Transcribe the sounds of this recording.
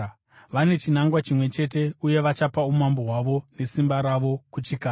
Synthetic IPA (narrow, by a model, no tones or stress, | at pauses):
ʋane̞t͡ʃinaŋɡwat͡ʃimwe̞t͡ʃe̞t̬e̞uje̞ʋat͡ʃapaumamboɦwaʋo̞ne̞simbaɾaʋo̞kut͡ʃikaː